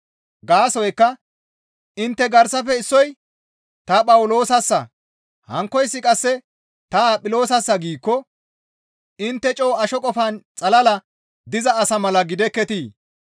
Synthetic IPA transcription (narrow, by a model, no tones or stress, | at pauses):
ɡaːsɔjkːɐ | ɪnt̪ːɛɡɐɾsɐfɛɪsːɔj | t̪ɐpʼɐwʊlo̞ːsɐsːɐ | hɐŋkːɔjsːɪkʼɐsːɛ | t̪ɐpʼɪlo̞ːsɐsːɐɡiːkːɔ | ɪnt̪ːɛt͡ʃʼɔːɐʃɔkʼɔfɐnt͡sʼɐlɐlɐ | d̪ɪzɐːsɐmɐlɐɡɪd̪ɛkːɛt̪iː